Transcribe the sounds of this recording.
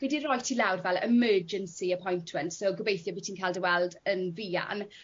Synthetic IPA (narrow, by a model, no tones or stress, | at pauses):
ɡ̥ɛdiɾɔjtʰilawdvɛlˠɪ̰mɜːd͡ʒənsiəpʰɔjntʰməntsoɡəbejθjɔbitʰiːnkʰajldəwɛlˠdənviːa̰n